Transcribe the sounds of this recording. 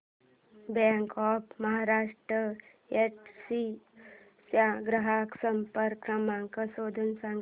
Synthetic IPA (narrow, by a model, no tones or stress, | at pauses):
baŋkɔːpmɐɦaːɾaːʂʈɾə | eʈsi | sjaɡɾɐɦaːksɐmpəɾkɐmaŋkəsoːd̪ʱənsaŋɡ